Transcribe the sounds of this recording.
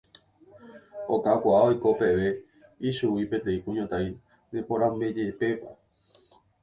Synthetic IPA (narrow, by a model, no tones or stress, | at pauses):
okakʷaʔaojko̞pe̞ʋe̞ | iʃuwipẽ̞nt̪̬e̞ĩkũɲõt̪aĩ | d̪epoɾãmbe̞d͡ʒepe̞pa